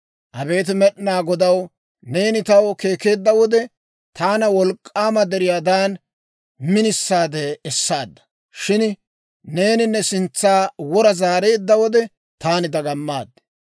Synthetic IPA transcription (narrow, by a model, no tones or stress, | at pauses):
ʔɐbe̞ːt̪̬ɪmɛɗnaːɡɔd̪ɐw | ne̞ːnɪt̪ɐwke̞ːke̞ːd̪ːɐwɔd̪ɛ | t̪aːnɐwɔlkʼːaːmɐd̪ɛɾɪjaːd̪aːn | mɪnɪsːaːd̪ɛːsːaːd̪ːɐ̥ | ʃɪn | ne̞ːnɪnːɛsɪnt͡sːaːwɔɾɐzaːɾe̞ːd̪ːɐwɔd̪ɛ | t̪aːnɪd̪ɐɡɐmːaːd̪ːɛ̥